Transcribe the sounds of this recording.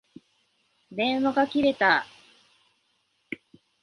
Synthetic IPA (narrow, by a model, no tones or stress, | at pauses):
d̪ẽ̞ɰ̃waɡakʲiɾe̞t̪a